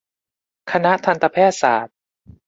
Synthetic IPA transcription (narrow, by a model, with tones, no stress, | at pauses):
kʰa˧na˦˥t̪ʰa˧nt̪a˧pʰɛː˥˩t̪̚sa̰ː˩˦t̪̚